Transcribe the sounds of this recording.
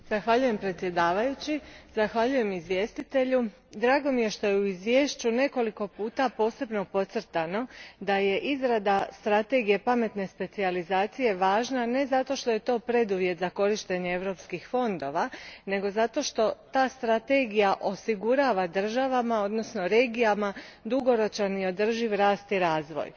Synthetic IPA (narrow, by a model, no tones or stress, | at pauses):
zaxʋaʎuje̞mpɾe̞t̪sje̞d̪aːʋajut͡ɕizaxʋaʎuje̞mizʋje̞ːst̪it̪e̞ʎu | d̪ɾaːɡo̞mije̞ʃt̪o̞jeuizʋje̞ːʃt͡ɕune̞ko̞liko̞puːt̪apo̞ːse̞bno̞po̞t̪sr̩t̪ano̞d̪aje̞ʔizɾad̪ast̪ɾat̪e̞ɡije̞pame̞t̪ne̞spe̞t̪sializaːt̪sije̞ʋaːʒnane̞zat̪o̞ʃt̪o̞je̞t̪o̞ːpɾe̞d̪uʋje̞t̪zako̞ɾiʃt̪e̞ɲeeʋɾo̞pskixfo̞nd̪o̞ʋane̞ɡo̞zat̪o̞ʃt̪o̞t̪aːst̪ɾat̪e̞ɡijaʔo̞siɡuɾaʋad̪r̩ʒaʋamao̞d̪no̞sno̞ɾe̞ːɡijamad̪uɡo̞ɾo̞t͡ʃanio̞d̪r̩ʒiʋɾaːst̪iɾaːzʋo̰j